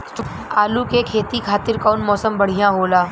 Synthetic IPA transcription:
aːlukekʰeːt̪ikʰaːt̪ɪɾkaːnmɔːsəmbɐɽ̤ijãɦoːlaː

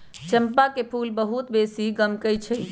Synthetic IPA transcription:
t͡ʃəmpakepʰulbəɦut̪besiɡəmkəjt͡ʃʰəj

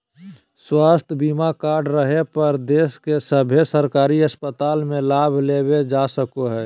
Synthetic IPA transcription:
swaːst̪ʰbiːmakaːɾɖɾəɦepəɾd̪eːskesəbʱesəɾkaːɾiəspət̪aːlmẽlaːbʱleːbed͡ʒasəkoɦɛː

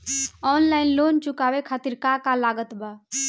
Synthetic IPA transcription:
ɔːnlaːɪnloːnt͡ʃʊkaːwekʰaːt̪iɾkakalaɡət̪ba

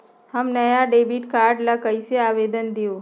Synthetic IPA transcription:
həmnəjaɖeːbiʈkaːɾɖlakəiseaːʋeːd̪ənd̪ijoː

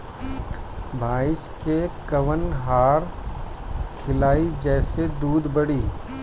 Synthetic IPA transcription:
bʱaːɪskekɐʋənɦaːɾ | kʰɪlaːid͡ʒɛːsed̪uːd̪bɐɽiː

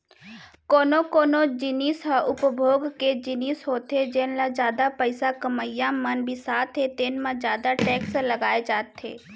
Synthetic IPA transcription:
koːnokoːnod͡ʒɪniːsɦaʔʊpəbʱoːɡked͡ʒɪnisɦoːt̪ɦed͡ʒenlad͡ʒjaːd̪apəɪsakəməjãmənbʱisaːt̪ʰɦet̪eːnmãd͡ʒjaːd̪aʈɛːksləɡaːed͡ʒaːt̪ḛː

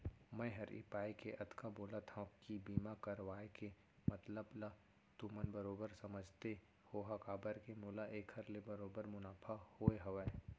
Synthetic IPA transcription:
mɛ̃ɦɐɾɪ̰paːikeʔɐt̪kʰaboːlat̪ʰãkibiːmakɐɾʋaːeke | mɐt̪ləbla | t̪umənbɐɾoːbəɾsɐməd͡ʒʱt̪e | hoːɦakaːbəɾkemʊlaʔeːkʰəɾlebɐɾoːbəɾmʊnaːpʰahoːeɦɐʋɛ

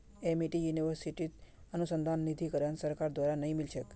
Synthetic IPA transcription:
emiʈijuniʋəɾsiʈit̪ | ənusənd̪ʱanːid̪ʱikəɾənsəɾkaɾd̪ʋaɾanəɦĩmilʃək

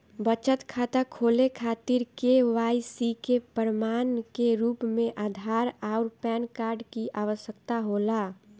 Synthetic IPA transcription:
bət͡ʃət̪kʰat̪əkʰolekʰat̪iɾkeʋaisikepəɾmankeɾuːpmẽʔaːd̪ʱaɾaʊɾpɛnkaɾɖkiʔaʋəsjəkt̪aɦola

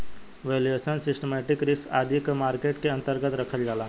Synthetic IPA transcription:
ʋeljesənsisʈəmɛʈikɾisa̰d̪ʱikmaɾkeʈkeə̃nt̪əɾɡət̪ɾəkʰəld͡ʒala

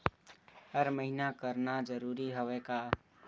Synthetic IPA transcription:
ɦəɾməɦinakəɾnad͡ʒəɾuɾiɦoʋɛka

